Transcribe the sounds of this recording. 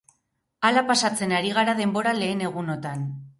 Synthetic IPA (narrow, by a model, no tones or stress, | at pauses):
alapasat͡se̞naɾiɣ̞aɾað̞e̞mbo̞ɾale̞ːne̞ɣ̞uno̞t̪an